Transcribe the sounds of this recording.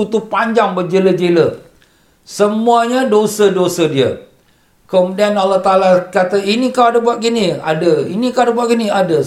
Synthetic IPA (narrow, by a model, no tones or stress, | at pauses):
ut̪upaɲd͡ʒaŋbəd͡ʒeləd͡ʒelə | səmuaɲadosədosədiə̰ | kəmudianalːaht̪alakat̪ainikawadəbuaʔ̚ɡinia̰dəḭnikawadəbaʔɡiniadə